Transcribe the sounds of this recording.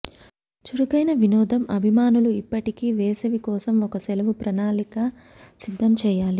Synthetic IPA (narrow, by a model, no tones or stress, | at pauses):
t͡ʃuɾuɡɐjnɐʋinɔːd̪ʱɐmɐbʱimaːnuluipːɐʈikiːʋɛːsɐʋikɔːsɐmɔkɐsɛlɐʋupɾɐnaːlikɐ | sid̪ʱːɐmt͡ʃɛːjaːli